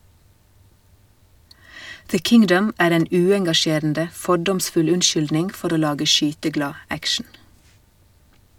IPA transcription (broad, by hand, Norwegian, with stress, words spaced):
ðə ˈkɪŋdəm ˈæːɾ ˈeːn ˈʉːɛŋɡɑˌʃeːɾn̩də ˈfɔɖɔmsfʉl ˈʉnˌʃʏldnɪnɡ ˈfɔɾ ˈoː ˈlɑːɡə ˈʃyːtəˌɡlɑː ˈækʃɳ̩